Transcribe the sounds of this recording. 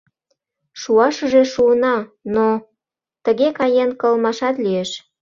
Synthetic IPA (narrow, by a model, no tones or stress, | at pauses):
ʃuɑʃəʒeʃuənɑno | t̪əɣekɑjenkəlmɑʃɑt̪lieʃ